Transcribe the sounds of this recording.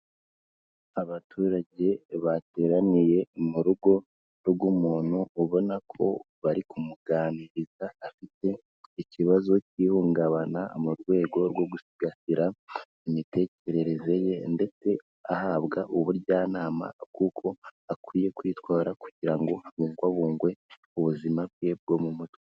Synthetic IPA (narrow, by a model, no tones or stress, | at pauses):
aβatʰuɾaɟe̞βate̞ːɾanije̞muɾuɡo̞ | ɾɡumuːn̥huːβo̞nakʰo̞̰ | βaɾikumuɡaːniɾizaːfite̞ | iciβazo̞ciːhuːŋɡaβanamuɾɡwe̞ːɡo̞ɾɡwo̞ɡusiɡahiɾa | imite̞ce̞ɾe̞ɾe̞ze̞je̞nde̞t͡se̞ | ahaβɡaʔuβuɾɟaːnaːma̰kukʰo̞akwiːje̞kwitwaːɾakuɟiɾaŋɡo̞aβuːŋɡwaβuːŋɡwe̞ | uβuzimabɡeb̚ɡo̞mumutwe